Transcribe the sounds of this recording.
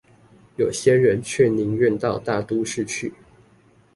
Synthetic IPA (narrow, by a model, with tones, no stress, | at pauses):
jo˨˩ʊɕjɛ˥ɻə˧˦nt͡ɕʰɥɛ˥˩ni˧˥ŋɥə˥˧nt̪ɑ˥˧ʊt̪a˥˩t̪u˥ʂɻ̩˥˧t͡ɕʰy˥˩